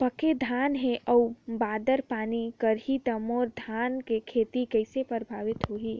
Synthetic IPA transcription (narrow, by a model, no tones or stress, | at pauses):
pəked̪ʱaːnɦẽʔəubaːd̪əɾpaːnikəɾɦit̪əmoːɾd̪ʱaːnkekʰeːt̪ikəɪsepəɾbʱaːʋɪt̪ɦoɦiː